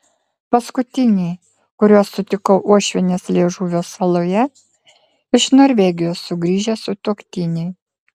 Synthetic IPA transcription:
pɐskʊt̪ʲɪnʲɛɪ | kʊɾʲuɔsːʊt̪ʲɪkɔʊʔuɔʃʲʋʲɛnʲeːslʲeːʒuːʋʲoːsfɐlˠoːjɛ | ɪʃnoːɾʲʋʲɛɡʲɪjoːsːʊɡɾʲiːʒʲɛsʊt̪ukt̪ʲɪnʲɛɪ

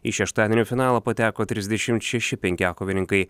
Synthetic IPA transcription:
iʃʲɛʃt̪ɑːd̪ʲɛnʲuːfʲɪnɑːlˠɐpɐt̪ʲæːkoːt̪ʲɾʲɪzʲd̪ʲɛʃʲɪmt̪ʃʲɛʃʲɪpʲɛŋʲkʲɪɑːkoːʋʲɪnʲɪŋkɐɪ

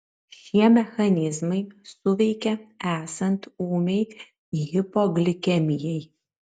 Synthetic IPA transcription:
ʃʲiɛmʲɛxɐnʲɪzmɐɪsʊʋʲɛɪkʲɛæːsɐnt̪uːmʲɛɪ | ɦɪpoɡlʲɪkʲɛmʲɪjɛɪ

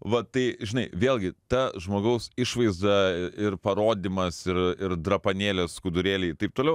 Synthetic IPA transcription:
ʋɐt̪ɐɪʒʲɪnɐɪʋʲeːlˠʲɡʲɪt̪ɐʒmoːɡɐʊsɪʃʋɐɪzd̪ɐɪrpɐɾoːd̪ʲimɐsɪɾɪɾd̪ɾɐpɐnʲeːlʲɛskʊd̪ʊɾʲeːlʲɛɪt̪ɐɪp̚t̪oːlʲɛʊ

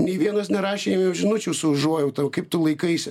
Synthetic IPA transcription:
nʲeɪʋʲiɛnɐsnʲɛɾɑːʃʲeːjɛmjɛʊʒʲɪnʊt͡ʃʲuːsʊʊʒuɔjɛʊt̪ɐkɐɪp̚t̪ʊlˠɐɪkɐɪsʲ

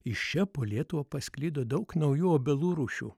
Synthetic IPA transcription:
ɪʃt͡ʃʲɛpoːlʲiɛt̪ʊʋɐːpɐsʲkʲlʲiːd̪oːd̪ɐʊknɐʊjuːoːbʲɛlˠuːɾuːʃʲṵː

